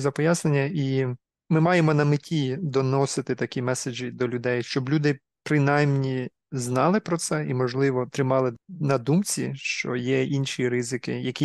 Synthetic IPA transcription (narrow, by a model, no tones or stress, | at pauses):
zɐpɔjasnenʲːɐʔi | mɪmɑjemɔnɐmɪtʲʰid̪ɔnɔsɪt̪ɪt̪ɐkʲimɛsed͡ʒid̪ɔlʲʊd̪ɛjʃt͡ʃɔblʲud̪ɪ | pɾɪnɑjmnʲi | znɑlˠɪpɾɔt̪sɛimɔʒlˠɪʋɔt̪ɾɪmɑlˠɪnɐd̪umt͡sʲiʃt͡ʃɔ̰jɛinʃiɾɪzɪkɪjɐkʲi